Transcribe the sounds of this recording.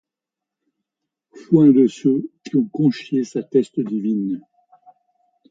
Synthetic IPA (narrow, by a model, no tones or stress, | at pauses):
fwɛ̃d̪əsøkʲiɔ̃kɔ̃ʃjesat̪ɛst̪əd̪ivin